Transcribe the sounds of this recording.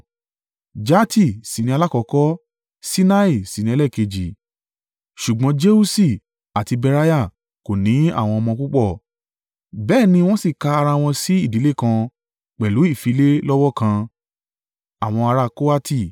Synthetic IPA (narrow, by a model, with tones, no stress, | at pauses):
d͡ʒa˦tʰi˦˨si˨nĩ˧a˧la˦kɔ˧kɔ˦ | si˦na˦i˦˨si˨nĩ˧ɛ˧lɛ˦˨ke˧d͡ʒi˨ | ʃu˨ɡ͡bɔ̃˨˦d͡ʒe˦u˦si˦˨ | a˨ti˧bɛ˧ɾa˦ja˦˨ | ko˨nĩ˨˦a̰˦˨w̃ɔ̃˧ɔ˧mɔ̃˧ku˦k͡pɔ˦˨ | bɛː˦˨nĩ˧w̃ɔ̃˦si˦˨ka˧a˧ɾa˧w̃ɔ̃˧si˦i˦˨di˨˦le˦˨kã˧ | k͡pɛ˨lu˨˦i˦˨fi˨˧˦le˦lɔ˦wɔ˦kã˧ | a˨w̃ɔ̃˧a˧ɾa˧ko˦a˦ti˦˨